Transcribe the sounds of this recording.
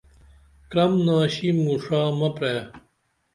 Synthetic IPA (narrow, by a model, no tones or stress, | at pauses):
kɾɐmnaːɕimuʂaːmɐpɾeː